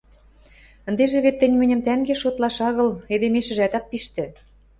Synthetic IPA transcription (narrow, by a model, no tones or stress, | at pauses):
ə̆nd̪eʒĕβet̪ːɘ̆nʲmɘ̆nʲɘ̆mt̪æŋɡeʃot̪lɑʃɑɣɤ̆led̪emeʃɘ̆ʒæt̪ɑt̪̚piʃt̪ɘ̆